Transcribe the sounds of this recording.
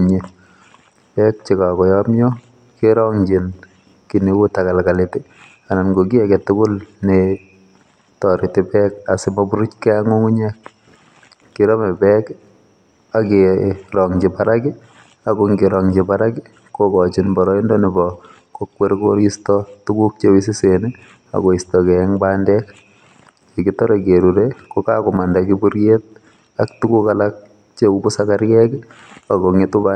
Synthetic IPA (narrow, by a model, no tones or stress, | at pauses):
ɲe | pɛk̚t͡ʃɪkakɔjɔmjɔ | keɾɔŋd͡ʒɪn | kinewutakalkaletɪ | ananɡok̬iɛkɛtʊkʊlne | tɔɾɪtɪpɛkasɪmabuɾut͡ʃkɛaŋoŋuɲɛkː | iɾɔmɛpɛk | akeɾɔŋd͡ʒipaɾaki | akoŋɡɪɾɔŋd͡ʒipaɾaki | kokɔt͡ʃinbɔɾɔindɔnibɔ | kokweɾkoɾistɔtukuk̚t͡ʃewis̬iseni | a̰koistɔkɛŋbandɛk | ekitɔɾekeɾuɾekokakomandakibuɾjet̚ | aktukukalak̚ | t͡ʃeubusakaɾjɛk | akoŋetuba